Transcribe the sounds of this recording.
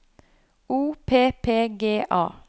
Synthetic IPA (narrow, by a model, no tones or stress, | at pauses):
uːpʰeːpʰeːɡeːʔɑ̰ː